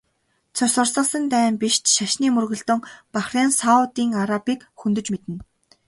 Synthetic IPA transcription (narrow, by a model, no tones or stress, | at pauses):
t͡sʰʊsə̆rsə̆sə̆nt̪æːmpiʃt̪ʃaʃniːmɵrɣɵ̆ɮt̪ɵ̆ŋpaχraːnsaʊt̪iːŋaɾapiːkxɵnt̪ɵ̆t͡ɕmet̪ɘ̆n